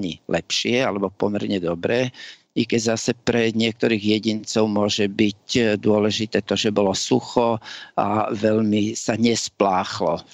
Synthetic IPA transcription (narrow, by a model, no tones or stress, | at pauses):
ɲḭlɛpʃɪɛalɛbɔpɔmɛɾɲɛd̪ɔbɾɛː | ikɛɟzasɛpɾɛɲɪɛk̚t̪ɔɾiːɣjɛɟint͡sɔʊmʊɔʒɛbicd̪ʊɔlɛʒit̪ɛːt̪ɔʒɛbɔlɔsuxɔa̰ʋɛʎmisaɲɛsplaːxlɔ̰